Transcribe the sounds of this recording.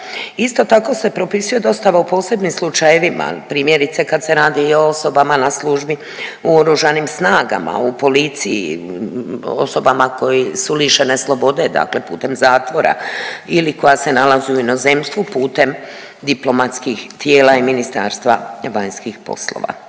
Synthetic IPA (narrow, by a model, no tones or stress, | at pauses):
ist̪o̞t̪ako̞se̞pɾo̞pisuje̞d̪o̞st̪aʋaupo̞ːse̞bnimslˠut͡ʃajeʋima̰pɾiːmje̞ɾit̪se̞kad̪se̞ɾaːd̪io̞oso̞bamanasluʒbi | uoɾuʒanimsnaːɡa̰ma̰upo̞lit̪sijḭ | o̞̰so̞bamako̞jisuliʃe̞neslˠo̞bo̞d̪e̞d̪a̰kle̞pṵːt̪e̞mzaːt̪ʋo̞ɾa̰iliko̞jase̞nalaziuino̞ze̞mst̪ʋupuːt̪e̞m | d̪iplo̞mat̪skixt̪je̞ːlaiminist̪a̰ːɾst̪ʋaʋaɲskixpo̞̰slˠo̰ʋa̰